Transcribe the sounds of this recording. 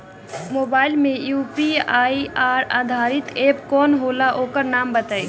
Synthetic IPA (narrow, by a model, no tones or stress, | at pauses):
mobailmẽjupiaiaɾa̰d̪ʱaɾit̪epkɔnɦolaʔokəɾnambət̪əj